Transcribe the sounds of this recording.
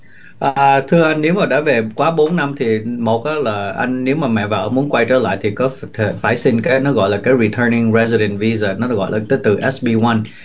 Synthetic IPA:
ʔaː˨˩˨t̪ʰɨ˧əʔa˧jŋ̟ne˨˦wmaː˨˩ɗa̰ː˧˥ve˨˩kwaː˨˦ɓo˨˦nːa˧mt̪ʰi˨˩mo˨˩t̚ʔaː˨˦laː˨˩ʔa˧jŋ̟ne˨˦wmaː˨˩mɛ̰˧˨vaː˨˩ʔəː˧˦mu˨˦ənkwa˧jt͡ɕə̰ː˧˩la̰ː˧˨jt̪ʰi˨˩kɔ˨˦t̪ʰe˧˩faː˧˩jsi˧nkaː˨˦jnɔ˨˦ɣɔ̰˧˨laː˨˩kaː˨˦jɹi˨˩t̪ʰəː˧nɪ˧ŋɹɛ˧zi˧ɾɛ˨˩nvi˧zaː˨˩nɔ˨˦ɣɔ̰˧˨jlʔaː˨˩t̪e˨˦t̪ɨ˨˩ʔɛ˦˥sɓi˧wa˧n

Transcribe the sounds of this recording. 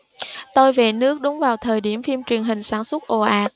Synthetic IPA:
t̪o˧jve˨˩nɨ˦˥ək̚ɗʊ˨˦ŋ͡mvaː˨˩wt̪ʰəː˨˩jɗi˧˩əmfi˧mt͡ɕwi˨˩ənɦï˨˩ŋ̟saː˧˩nswə˦˥t̚ʔo˧˩ʔaː˨˥k̚

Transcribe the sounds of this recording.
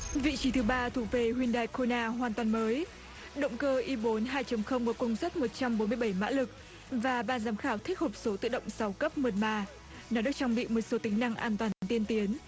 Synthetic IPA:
vḭ˧˨t͡ɕi˨˦t̪ʰɨ˨˦ɓaː˧t̪ʰu˧˩k̚ve˧˩ɦwi˧ənɗaː˧˩jko˧naː˧ɦwaː˨˩nt̪waː˨˩nməː˨˦j | ɗə̰˧˨wŋ͡mkəː˧ʔi˧ɓo˨˦nɦaː˧jt͡ɕə˨˦mxə˧wŋ͡mvɔː˨˧˩kʊ˧wŋ͡msə˦˥t̚mo˨˩t̚t͡ɕa˧mɓo˨˦nmɨ˧əjɓa˧˩jma̰ː˧˥lɨ˨˩k̚ | vaː˨˩ɓaː˧˩nzaː˨˦mxaː˧˩wt̪ʰi˦˥k̚ho˨˩p̚so˨˦t̪ɨ̰˧˨ɗə̰˧˨wŋ͡msa˨˦wkə˦˥p̚mə˨˩t̚maː˧˩ | nɔ˨˦ɗɨ˨˩ək̚t͡ɕaː˧ŋɓḭ˧˨mo˨˩t̚so˨˦t̪ï˨˦ŋ̟na˧ŋʔaː˧nt̪waː˨˩n˨˦nt̪i˧ənt̪i˨˦ən

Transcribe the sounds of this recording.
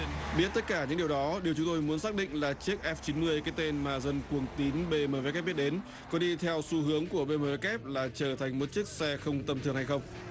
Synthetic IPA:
ɓi˦˥ət̚t̪ə˦˥t̚kaː˧˩ɲɨ̰˧˥ɗi˨˩əwɗɔ˨˦ɗi˨˩əwt͡ɕʊ˨˦ŋ͡mt̪o˧jmu˨˦ənsaː˦˥k̚ɗḭ˧˨ŋ̟laː˨˩t͡ɕi˦˥ək̚ʔɛ˦˥f̚t͡ɕi˨˦nmɨ˧əjkaː˨˦jt̪e˧nmaː˨˩zə˧nkwu˨˩əŋt̪i˨˦nɓe˧məː˨˧˩vk̚ːɓi˦˥ɗe˨˦n | kɔ˨˦ɗi˧t̪ʰɛ˧wsu˧ɦɨ˨˦əŋku˧˩əɓe˧məː˨˧vɛ˦˥kɛ˦˥p̚laː˨˩t͡ɕəː˧˩t̪ʰa˨˩jŋ̟mo˨˩t̚t͡ɕi˦˥ək̚sɛ˧xə˧wŋ͡mt̪ə˧mt̪ʰɨ˨˩əŋha˧jxə˧wŋ͡m

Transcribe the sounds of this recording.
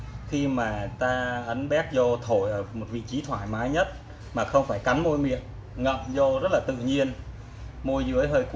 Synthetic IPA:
xi˧maː˨˩t̪aː˧ʔə˨˦nɓɛ˦˥k̚zo˧t̪ʰo˧˩jʔəː˧˩mo˨˩t̚vḭ˧˨t͡ɕi˨˦t̪ʰwaː˧˩jmaː˨˦jɲə˦˥t̚ | maː˨˩xə˧wŋ͡mfaː˧˩jka˨˦jŋmo˧jmḭ˧˨ən | ŋə̰˧˨mzo˧zə˦˥t̚laː˨˩t̪ɨ̰˧˨ɲi˧ən | mo˧jzɨ˨˦əjɦəː˧jk

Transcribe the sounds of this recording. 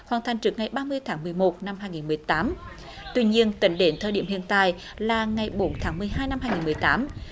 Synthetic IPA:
hwaː˨˩nt̪ʰa˨˩ŋ̟t͡ɕɨ˨˩k̚ŋa˨˩jɓaː˧mɨ˧əjt̪ʰaː˨˦ŋmɨ˨˩əjmo˨˩t̚na˧mhaː˧jŋi˨˩nmɨ˨˩əjt̪aː˨˦m | t̪wi˧ɲi˧ənt̪ï˨˦ŋ̟ɗe˨˦nt̪ʰəː˧˩ɗi˧˩əmhḭ˧˨ənt̪a̰ː˧˨j | laː˨˩ŋa˨˩jɓo˨˦nt̪ʰaː˨˦ŋmɨ˨˩əjɦaː˧jna˧mhaː˧jŋi˨˩nmɨ˨˩əjt̪aː˨˦m

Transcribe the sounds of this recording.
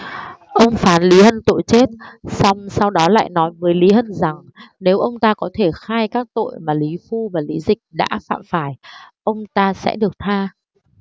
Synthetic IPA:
ʔə˧wŋ͡mfaː˨˦nli˨˦hə˧nt̪o̰˧˨jt͡ɕe˦˥t̚sa˧wŋ͡msa˧wɗɔ˨˦la̰ː˧˨jnɔ˨˦jmɨː˨˦əjli˨˦hə˧nza˨˩ŋne˨˦wʔə˧wŋ͡mt̪aː˧kɔ˨˦t̪ʰe˧˩xaː˧jkaː˦˥k̚t̪o̰˧˨jmaː˨˩li˨˦fu˧vaː˨˩li˨˦zï˨˩k̟̚ɗa̰ː˧˥fa̰ː˧˨mfaː˧˩jʔə˧wŋ͡mt̪aː˧sɛ̰˧˥ɗɨ˨˩ək̚t̪ʰaː˧

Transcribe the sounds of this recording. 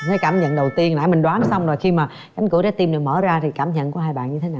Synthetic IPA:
t̪ʰə˨˦kaː˧˩mɲə̰˧˨nɗə˨˩wt̪i˧ənlaː˧˩˦jmi˨˩ŋ̟ɗwaː˨˦nɔ˨˦sa˧wŋ͡mzo˨˩jxi˧maː˨˩ | ka˨˦jŋ̟ku˧˦ɗa˨˦˥t̪i˧mɗɨ˨˩k̚məː˧˩˦zaː˧t̪ʰi˨˩kaː˧˩mɲə̰˧˨nku˧˩˦ɦaː˧jɓa̰ː˧˨nɲɨ˧t̪ʰe˨˦naː˨˩

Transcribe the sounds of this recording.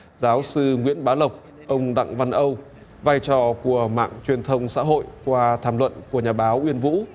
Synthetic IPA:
zaː˨˦wsɨ˧ŋwḭ˧˥ənɓaː˨˦wlə˨˩wk͡p̚ | ʔə˧wŋ͡mɗa̰˧˨ŋva˧nʔə˧w | vaː˧jt͡ɕɔ˧˩ku˧˩əma̰ː˧˨ŋt͡ɕwi˨˩ənt̪ʰə˧wŋ͡msa̰ː˧˥ɦo̰˧˨jkwaː˧t̪ʰaː˧˩mlwə̰˧˨nku˧˩əɲaː˨˩ɓaː˨˦wʔwi˧ənvṵ˧˥

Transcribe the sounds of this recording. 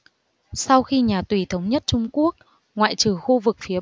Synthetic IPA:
sa˧wxi˧ɲaː˨˩t̪wi˨˩t̪ʰə˨˦wŋ͡mɲə˦˥t̚t͡ɕʊ˧ŋ͡mku˦˥ək̚ | ŋwa̰ː˧˨jt͡ɕɨ˨˩xu˧vɨ˨˩k̚fi˨˦ə

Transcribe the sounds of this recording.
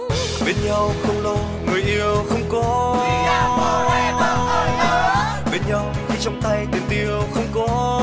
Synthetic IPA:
ɓe˧˩nɲa˧wxə˧wŋ͡mlo˧ | ŋɨ˨˩əjʔi˧əwxə˧wŋ͡mkɔ˨˦˧ | ɓe˧nɲa˧wxi˧t͡ɕɔ˧wŋ͡mt̪a˧jt̪i˨˩mt̪i˧əwxə˧wŋ͡mkɔ˨˦

